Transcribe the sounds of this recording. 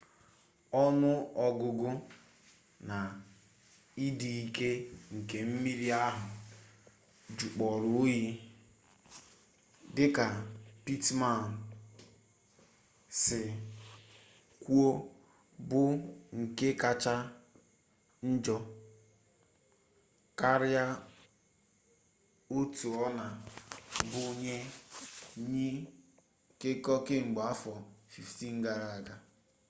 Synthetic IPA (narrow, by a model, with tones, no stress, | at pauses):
ɔ˦nʊ˦ɔ˨ɡʊ˨ɡʊ˦ | na˨ | i˦di˨i˨ke˦ŋ̩˨ke˨m̩˦mi˦ɾi˦a˦ɦʊ˨ | d͡ʒu˨k͡pɔ˨ɾʊ˨˦ji˦ | dɪ˦ka˨pi˦tma˨n̩˨ | sɪ˨ | kʷu˦o˦ | bʊ˦ŋ̩˨ke˦ka˦t͡ʃa˦ | n̩˦d͡ʒɔ˦ | ka˦ɾja˦ | o˦tu˨ɔ˦na˨ | bʊ˦ɲe˦ | ɲi˦ | kɪ˦kɔ˦kɪ˦ŋ͡m̩˨ɡ͡ba˨a˦fɔ˨fi˨fti˦˨ŋ̩˦ɡa˦˨ɾa˨a˨ɡa˨